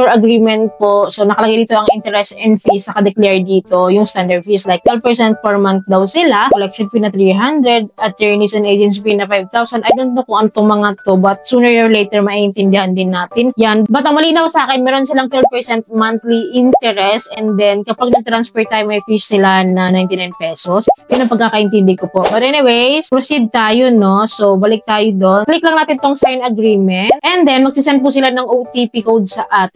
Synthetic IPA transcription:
ɛɹɐɡɾiːmɛnt̪̚posonɐkɐlɐɡajd̪iːt̪oɐŋʔɪnt̪ɛɾɛsɛnd̪fisnɐkɐd̪ɛklɛɹd̪iːt̪o̞jʊŋst̪and̪ɛɹd̪̚fislajk̚t̪wɛlvpɛɹsɛnt̪̚pɛɹmant̪̚d̪ɐwsɪlakɔlɛkʃonfinɐt̪ɾiɦand̪ɾɛd̪̚ɐt̪ɛɹnisonʔejd͡ʒɛns̬finɐfajv̚t̪awsɐnʔɐjd̪ont̪ːokʊŋʔɐnt̪omɐŋat̪obɐt̪̚suːnɛɹoɹlejt̪ɛɹmɐʔiʔɪnt̪ɛnd̪ɪhand̪ɪnːaːt̪ɪnjanbɐt̪ɐŋmɐliːnɐwsɐʔaːkɛnmɛːɾo̞nsɪlaŋt̪wɛld̪̚pɛsɛnt̪̚mant̪liʔint̪ɛɾɛsʔɛnd̪ɛnkɐpaɡ̚nɐɡ̚t̪ɾanspɛɹt̪ːaːjomɐjfiʃsɪlanɐnajnt̪ɪnajnpɛsosjʊnɐŋpɐɡ̚kaːkɐʔɪnt̪ɪnd̪ɪkopo̞ʔbɐt̪̚ʔɛniwejspɾosid̪̚t̪aːjono̞so̞bɐlɪk̚t̪aːjod̪o̞nklɪk̚lɐŋnaːt̪ɪnt̪oŋsajnɐɡɾiːmɛnt̪ʔɛnd̪ɛnmɐɡ̚sɪsɛnd̪̚pusɪlanɐŋʔowt̪ipikowd̪̚sɐʔaːt̪ɪ

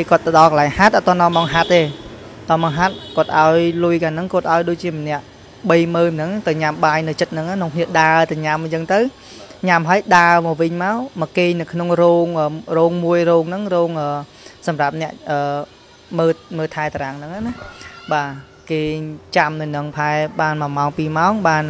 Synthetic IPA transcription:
keːkŏət̪ːəɗɑlkəlaɛŋhat̪̚ʔat̪ŏənːɔ̆əmɑŋɦat̪ːeːt̪onmɑːŋɦat̪̚kŏət̪̚ʔaɔjlujkaːnɨŋkŏət̪̚ʔaɔjɗoːc̚t͡ɕiəmənɛ̆əʔ | ɓəjməːnɨŋt̪ɨwɲamɓaːjnɨwt͡ɕət̪̚nɨŋanoŋkʰniəɗaət̪ɨwɲamt͡ɕəːŋt̪ɨw | ɲamɦəəjɗaːəmɔːʋɨɲmaɔmɔkeːɲnɨwkʰnoŋroːŋʔəːroːŋmuəjrɔːŋnɨŋrɔːŋʔəː | sɑmrap̚nɛ̆əʔʔəː | məːməːt̪ʰaɛt̪aɾaŋnɨŋanahɓaː | keːt͡ɕamnɨwnɨŋpʰaɛɓaːnmaɔmaɔŋpiːmaɔŋɓaːn

